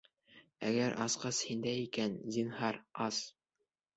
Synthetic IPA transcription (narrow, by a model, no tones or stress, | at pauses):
æ̰ɡæɾʔɑsqɑshind̪æjikænzinhɑɾɑs